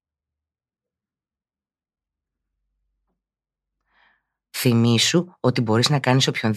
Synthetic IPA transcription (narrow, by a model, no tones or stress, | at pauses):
θimisuo̞t̪ibo̞ɾiznɐkɐniso̞pço̞n